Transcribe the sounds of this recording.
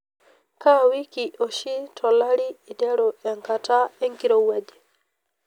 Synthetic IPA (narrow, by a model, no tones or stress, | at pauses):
kawikiʔɔʃitʰɔlaɾiːdɛɾɔɛŋkataɛŋɡiɾɔwad͡ʒɛ